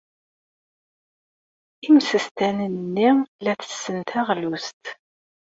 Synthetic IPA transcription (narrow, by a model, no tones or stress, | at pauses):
imsəst̪ænənːilæt͡sə̥sːənt̪ʰæʁlust̪